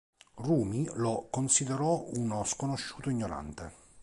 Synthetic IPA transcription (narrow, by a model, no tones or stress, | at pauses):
ruːmilokonsid̪eɾɔunoskonoʃːu̥ːt̪oiɲːoɾa̰nt̪e